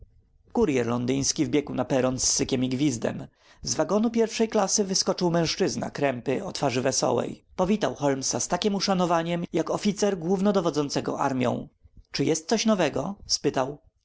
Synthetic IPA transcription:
kuɾjɛɾlɔnd̪ɘj̃skʲivbʲjɛkuwnapɛɾɔnsːɘkʲɛmiɡvʲizd̪ɛ̰m | zvaɡɔnupʲjɛɾfʂɛjklasɘvɘskɔt͡ʂɘwmɛ̃w̃ʂt͡ʂɘzna̰kɾɛmpɘɔt̪faʐɘvɛsɔ̰wɛ̰jpɔvʲit̪awxɔlmsast̪akʲimuʂanɔvaɲɛmjakɔfʲit̪sɛɾɡwuvnɔd̪ɔvɔd̪zɔnt̪sɛɡɔ̰ʔaɾmʲjɔ̰̃w̃t͡ʂɘjɛst̪̚sɔɕnɔvɛɡɔspɘt̪aw

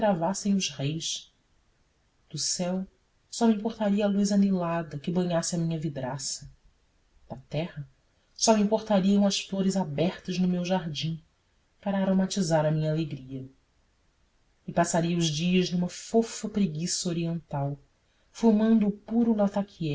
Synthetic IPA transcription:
k̪ɾavasẽj̃ʊzʁejʃ | d̪̥ʊsɛw | sɔmĩpoχt̪aɾiɐːlujzanelad̪ɐkɪbɐ̃ɲasɪɐmĩɲɐvid̪ɾasɐ | d̪̥ɐt̪ɛhɐ | sɔmĩpoχt̪aɾiɐ̃w̃ɐsfloɾɪzabɛχt̪ɐznʊmewʒaɾd͡ʒĩ | paɾɐːɾomat͡ʃizaɾɐmĩɲɐaleɡɾiɐ | ɪpasaɾiɐʊʒd͡ʒiɐznũmɐfofɐpɾeɡisɐoɾiẽnt̪aw | fumɐ̃nd̪ʊːpuɾʊlat̪akʰiɛ

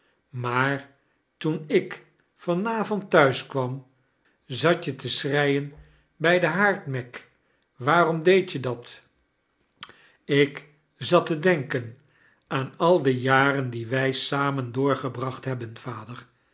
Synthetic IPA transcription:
maːɹ | tunɪk | fɑnaːvɔntːœɥskʋɑm | zɑtjətəsrɛjən | bɛjdəɦaːɹtmɛk | ʋaːrɔmdejtjədɑt | ɪk | zɑtədɛŋkən | aːnɑlˠdəjaːrəndiʋɛjsaːməndʊːɹχəbrɑχtɦɛbənv̥aːdəɹ

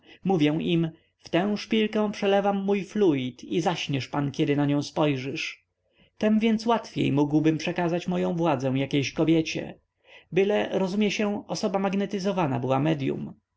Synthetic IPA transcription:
muvʲjɛw̃ʔim | ft̪ɛ̃w̃ʂpʲilkɛ̃w̃pʂɛlɛvamːujflujit̪ʰizaɕɲʲɛʂpankʲjɛd̪ɘnaɲɔ̃w̃spɔjʐɘʂ | t̪ɛmvʲjɛnt̪swat̪fʲjḛjmuɡwbɘmpʂɛkazat͡ɕmɔjɔ̃w̃vwad̪zɛ̃w̃jakʲejɕkɔbʲjɛt͡ɕɛ̰ | bɘlɛɾɔzumʲjɛɕɛɔsɔbamaɡnɛt̪ɘzɔvana̰bɘwamɛd̪jṵm

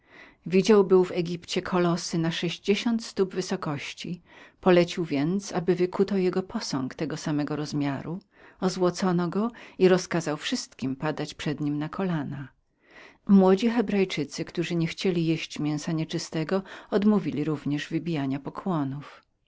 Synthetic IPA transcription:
vʲid͡ʑawbɘwvɛɡʲipt͡ɕɛkʰɔlɔsɘnaʂɛʑd͡ʑeɕɔnt̪st̪ubvɘsɔkɔɕt͡ɕipɔlɛt͡ɕiwvʲjɛnt̪sabɘvɘkʰut̪ɔwjɛɡɔpʰɔsɔŋkt̪ɛɡɔsamɛɡɔɾɔzmʲjaɾu | ɔzwɔt̪sɔnɔɡɔiɾɔskazawfʂɘst̪kʲimpad̪at͡ɕpʂɛd̪ɲimnakʰɔlana | mwɔd͡ʑixɛbɾajt͡ʂɘt̪sɘkt̪uʐɘɲɛxt͡ɕelʲijeɕt͡ɕmʲjɛ̃w̃saɲɛt͡ʂɘst̪ɛɡɔɔd̪muvʲilʲiɾuvɲɛʐvɘbʲijaɲapɔkʰwɔnuf

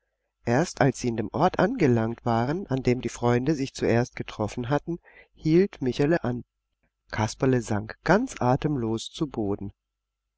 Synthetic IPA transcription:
ʔeːɐstalsz̥iːandeːmʔɔɐtʔanɡəlaŋktv̥aːʁənʔandeːmdiːfʁ̥ɔʏndəzɪçt͡suʔeːɐst̚ɡ̥ətʁ̥ɔfn̩ɦatn̩ | hiːltmɪçaləʔan | kʰaspɐləzaŋkɡ̥ant͡sʔaːtəmloːst͡suboːdn̩

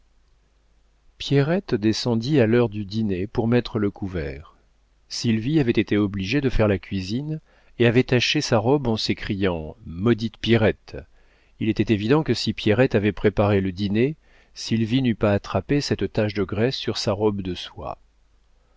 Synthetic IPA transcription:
pjɛʁɛt̪d̪esɑ̃d̪ialœʁd̪yd̪inepuʁmɛt̪χələkuvɛːʁ | silviavɛt̪et̪eɔbliʒed̪əfɛʁlakʲɥizin | eavɛt̪aʃesaʁɔbɑ̃sekχijɑ̃mɔd̪it̪pjɛʁɛt̪ | ilɛt̪ɛt̪evid̪ɑ̃kəsipjɛʁɛt̪avɛpχepaʁeləd̪ine | silvinypaːt̪χapesɛt̪t̪aʃd̪əɡʁɛsːyʁsaʁɔbd̪əswa̰

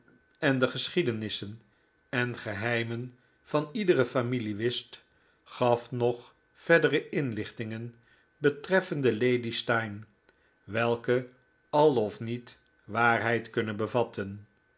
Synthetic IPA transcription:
ɛndəχəsχidənɪsən | ɛnχəɦɛjmən | v̥ɑnidərəfamiliʋɪst | χɑfnɔχ | fɛɹdərəʔɪnlɪχtɪŋən | bətrɛfəndəlejdistɑjn | ʋɛlˠkə | ɑlˠɔfnit | ʋaːrɦɛjtkɵnənbəvɑtʰən

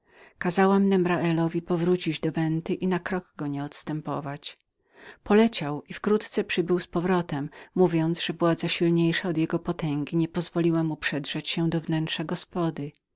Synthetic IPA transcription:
kazawamnɛmɾaʔɛlɔvʲipɔvɾut͡ɕid͡ʑd̪ɔvɛnt̪ɘʔinakɾɔɡɡɔɲɛɔt̪st̪ɛmpɔ̰vat͡ɕ | pɔlɛt͡ɕawifkɾut̪t̪sɛpʂɘbɘwspɔvɾɔt̪ɛmːuvʲjɔnt̪zʐ̥ɛvwad̪zaɕilɲejʂaɔd̪jɛɡɔpɔt̪ɛŋɡʲiɲɛpɔzvɔlʲiwamupʂɛdʐɛt͡ɕɕɛd̪ɔvnɛntʂaɡɔspɔd̪ɘ

